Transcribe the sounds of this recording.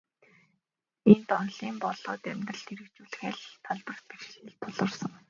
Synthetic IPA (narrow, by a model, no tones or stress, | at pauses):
ent̪ɔnɮiːmpɔɮɔːt̪æmʲt̪rə̆ɬt̪ʰeɾɘ̆kt͡ɕuːɮxæːɮt̪ʰɔɮpə̆r̥t̪̚perxɘ̆ːɮt̪ʰʊɮə̆rsɞ̆ŋ